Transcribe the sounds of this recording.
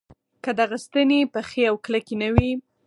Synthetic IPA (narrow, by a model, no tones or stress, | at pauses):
kəd̪aɣast̪ənepəxeawkləkenawi